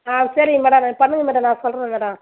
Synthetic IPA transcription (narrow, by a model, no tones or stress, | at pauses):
aːsɐɾimɛːɽɐmpɐnːɯŋɡɐmɛːɽɐmnãːsɔlɾɐmɛːɽɐ̃m